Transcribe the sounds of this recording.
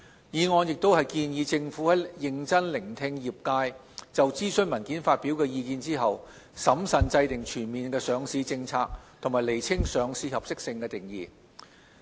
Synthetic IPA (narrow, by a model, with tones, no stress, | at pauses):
jiː˨˧ŋɔː˨˧njɪ˨k̚t̪o˥whɐ˨jkiː˧njiː˨˧t͡sɪ˧ŋfuː˨˥hɐ˨˥jjɪ˨˧ŋt͡sɐ˥nlɪ˨˩ŋt̪ʰɪ˧ŋjiː˨˩p̚kaː˧j | t͡sɐ˨wt͡siː˥sɵ˥nmɐ˨˩nkiː˨˥nfaː˧t̚pi˨˥wkɛː˧jiː˧kiː˨˧nt͡siː˥ɦɐ˨w | sɐ˨˥msɐ˨nt͡sɐ˧jt̪ɪ˨˩ŋt͡ʃʰyː˨˩nmiː˨nkɛː˧sœː˨˧ŋsiː˨˧t͡sɪ˧ŋt͡sʰaː˧k̚t̪ʰʊ˨˩ŋmaː˨˩le˨˩jt͡sʰɪ˥ŋsœː˨˧ŋsiː˨˧hɐ˨p̚sɪ˥k̚sɪ˧ŋkɛː˧t̪ɪ˨ŋjiː˨˩